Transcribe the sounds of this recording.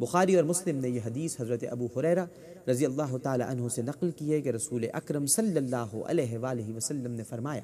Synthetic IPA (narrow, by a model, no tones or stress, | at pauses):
bʊxaːɾiɔːɾmʊslɪmnejeɦɐd̪iːsɦɐzɾət̪eʔɐbuːɦʊɾɛːɾa | ɾɐzijɐlːaːɦʊt̪aːla̰ʔɐnɦõsenɐqlkiekeɾɐsuːleʔɐkɾəmsɐlːɐlːaːɦʊ̰ʔɐ̰lɛːɦeʋaːlɪɦiʋɐsɐlːəmnefɐɾmaːja̰ː